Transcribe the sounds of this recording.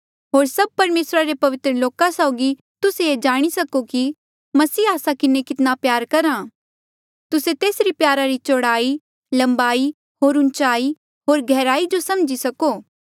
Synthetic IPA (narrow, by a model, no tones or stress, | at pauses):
ɦoːɾsɐb̚pɐɾmeːsɾaɾepɐʋɪt̪ɾəloːkasaʊːɡi | t̪ʊseed͡ʒaːɽ̃isɐkoki | mɐsiːaːsakɪnekɪt̪napjaːɾkɐɾaː | t̪ʊset̪eːsɾipjaːɾaɾit͡ʃoːɽaːi | lɐ̃mbaːi | ɦoːɾʊ̃nt͡ʃaːi | ɦoːɾɡʱɛːɾaːid͡ʒosɐmd͡ʒisɐkoː